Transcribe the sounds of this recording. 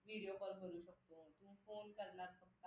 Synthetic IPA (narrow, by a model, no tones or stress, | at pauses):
ʋʱiɽijopəɾbʱoɾuːɕək̚t̪ot̪umfonkəɾnaɾpəkt̪a